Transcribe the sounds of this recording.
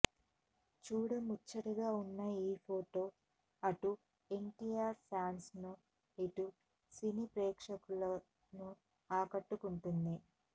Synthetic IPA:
t͡ʃuːɽɐmut͡ʃːɐɽɐɡaːunːɐiːpʰo̞ːʈo̞ː | ɐʈu | e̞ɳʈijaːɾfaːnsnu | iʈu | sinipɾeːkʂɐkuɭɐ | nu | aːkɐʈːukuɳʈund̪i

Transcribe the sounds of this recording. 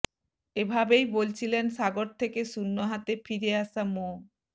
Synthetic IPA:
ebʱabejbolt͡ɕʰilensaɡoɾt̪ʰekeʃunːoɦat̪efiɾeaʃamo

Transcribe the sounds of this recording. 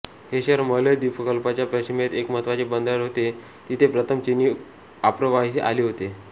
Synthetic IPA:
heɕəɾmələjd̪ipəkəlpat͡ɕjapɾəɕimet̪ekməɦət̪ʋat͡ɕebənd̪əɾɦot̪e | t̪it̪ʰepɾət̪ʰəmt͡ɕiniː | apɾəʋaɦit̪ʔa̰liɦot̪e

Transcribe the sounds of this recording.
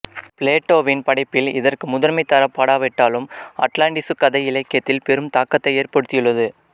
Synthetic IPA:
pɪleːʈːoːʋɪnpɐɽɐɪpːɪlɪ̰ðɐrkɯmʊðɐɾmɐɪt̪ːɐɾɐpːaːɽaːʋɪʈːaːlɯmɐ̰ʈlaːɳʈɪsɯkːɐðɐɪɪlɐɪkːjɐt̪ːɪlpɛɾɯmt̪aːkːɐt̪ːɐɪeːrpɐɽɯt̪ːɪjɯɭːɐðɯ

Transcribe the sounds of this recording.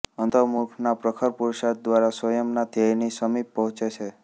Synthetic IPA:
ə̃nt̪əmukʰnapɾəkʰəɾpuɾʃad̪ʋaɾaswəjəmnad̪jajnisəmipːɔɦɔ̃t͡ʃet͡ʃʰe

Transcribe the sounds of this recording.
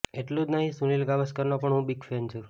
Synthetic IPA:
eʈlud͡ʒnəɦĩsũnilɡaʋəskəɾnopəɳɦũbiɡfent͡ʃʰu

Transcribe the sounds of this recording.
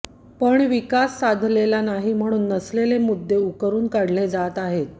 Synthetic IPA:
pəɳʋikasːad̪ʱlelanaɦim̤əɽ̃uːnːəslelemud̪ʱːeukəɾuːnkaɽled͡zat̪aɦet̪

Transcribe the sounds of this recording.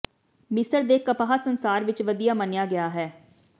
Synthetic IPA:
mɪsəɾd̪eːkəpaːɦaːsənsaːɾʋɪt͡ʃʋəd̪ijaːmənjaːɡɪjaːɦɛː

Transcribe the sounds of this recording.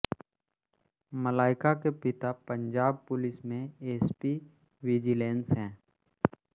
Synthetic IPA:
məlaːɪkakepɪt̪apə̃ɲd͡ʒaːb̚pʊlɪsmẽeːspi | ʋɪd͡ʒɪlẽːnsɦɛ̃ː

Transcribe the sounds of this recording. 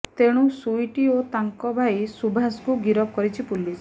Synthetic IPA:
t̪eɽ̃ũsujʈiot̪aŋkɔbʱajsubʱaskuɡiɾɔp̚kɔɾit͡ʃʰipulis

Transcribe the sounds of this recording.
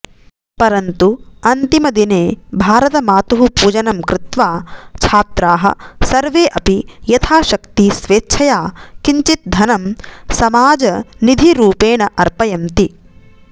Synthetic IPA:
pɐɾɐnt̪uɐnt̪imɐd̪ineːbʱaːɾɐt̪ɐmaːt̪uɦupuːd͡ʒɐnɐmkɾɪt̪ʋaːt͡ʃʰaːt̪ɾaːɦɐ̰̆sɐɾʋeːʔɐpijɐt̪ʰaːʃɐkt̪isʋeːtːt͡ʃʰɐjaːkiɲt͡ʃit̪̚d̪ʱɐnɐmsɐmaːd͡ʒɐnid̪ʱiɾuːpeːɳɐʔɐɾpɐjɐmt̪i

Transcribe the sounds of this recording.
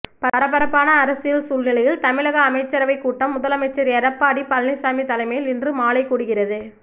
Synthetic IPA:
pɐɾɐpːɐɾɐpːaːnɐːɾɐsɪjɪlsuːlnɪlɐjɪlt̪ɐmɪlɐɣɐːmɐɪt͡ʃːɐɾɐʋɐɪkːuːʈːɐmːʊðɐlɐmɐɪt͡ʃːɐɾɐɾɐpːaːɽipɐlnɪsaːmit̪ːɐlɐɪmɐjlɪndrɯmaːlɐɪkːuːɽɯɣɪrɐðɯ

